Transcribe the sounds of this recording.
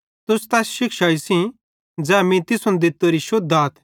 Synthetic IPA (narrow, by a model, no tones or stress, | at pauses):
t̪ʊst̪ɛːsʃɪkʃaisĩ | d͡zɛːmĩt̪ɪsʊ̃nd̪ɪt̪ːoɾiʃʊd̪ʱaːt̪ʰ